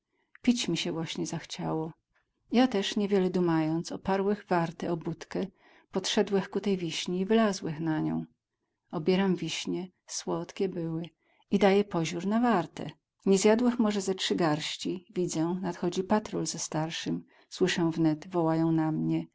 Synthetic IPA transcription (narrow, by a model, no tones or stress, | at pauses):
pʲit͡ɕmʲiɕɛvwaɕɲɛzaxt͡ɕawɔ | jat̪ɛʂɲɛvʲjɛlɛd̪umajɔnt̪sɔpaɾwɛɣvaɾt̪ɛɔbut̪kɛ | pɔt̪ʂɛd̪wɛxkut̪ɛjvʲiɕɲiːvɘlazwɛxnaɲɔ̰̃w̃ | ɔbʲjɛɾamvʲiɕɲɛ | swɔt̪kʲɛbɘwɘ | id̪ajɛpɔʑuɾnavaɾt̪ɛ̰ | ɲɛzʲjad̪wɘxmɔʐɛzɛtʂɘɡaɾɕt͡ɕivʲid̪zɛnat̪xɔd͡ʑipat̪ɾɔlzɛst̪aɾʂɘm | swɘʂɛw̃vnɛt̪vɔwajɔ̃w̃namɲɛ